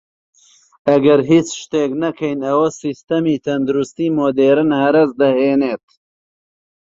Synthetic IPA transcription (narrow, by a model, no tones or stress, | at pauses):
ɐɡɐɾɦiːt͡sʃt̪eːknɐkʰɐjnɐwɐsist̪ɐmiːt̪ʰɐnd̪uɾust̪iːmoːd̪eːɾɨnhɐɾɐzd̪ɐheːneːt̪